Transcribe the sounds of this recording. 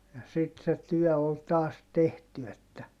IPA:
jɑ sit se tyœˑ ol tɑːs tehty etːæ

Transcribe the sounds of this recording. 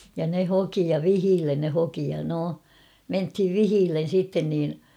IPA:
jɑ ne hoki jɑ ʋihiːlːen ne hoki jɑ no menthiʋ ʋihiːlːen̞ sitːen niːn

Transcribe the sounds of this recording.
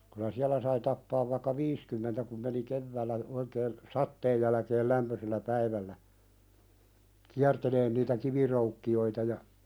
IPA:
kylæ siælæ sɑi tɑpːɑːʋ ʋɑĭkːɑ ʋiːskymːentæ kum meni keʋːæːlːæ oikeːn sɑtːeːj jælæ̆keːl læmpøselːæ pæiʋælːæ kiærteleːn niːtæ kiʋiroukːioitɑ jɑ

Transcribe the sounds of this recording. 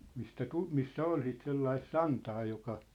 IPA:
mistæ tu misːæ ol sit selːɑis sɑntɑː jokɑ

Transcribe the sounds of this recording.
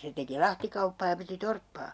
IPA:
se teki lɑhtikɑupːɑː jɑ piti torpːɑː

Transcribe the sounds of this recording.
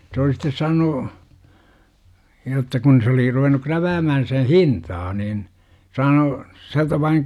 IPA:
se oli sitːe sɑːnu jotːɑ kun se oli ruʋenˑu kræʋæːmæhæn̞ sen̞ hintɑː niːn sɑːnu siæltæ ʋɑiŋ

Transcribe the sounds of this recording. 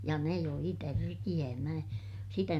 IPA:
jɑ ne joi tærkij̆æː mæ sitæ

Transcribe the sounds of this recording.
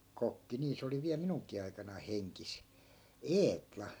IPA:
kokːi niː se oli ʋiæl minuŋkˑiː ɑikɑnɑi heŋkis eːtlɑ

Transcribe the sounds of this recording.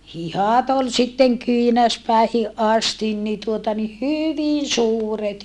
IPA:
hihɑˑt ol sitːeŋ kyinæspæˑihiʔ ʔɑstin ni tuotɑ ni hyʋin̞ suːret

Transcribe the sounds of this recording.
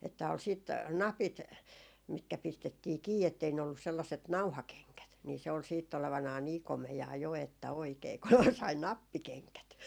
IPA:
etːæ ol siˑt nɑpit mitkæ pistetːiː kiː etːei ne olːus selːɑset nɑuhɑkeŋkæt niː se ol siːtː oleʋɑnɑː niː komejɑː jo etːæ oikeː kun sɑi nɑpːikeŋkæt

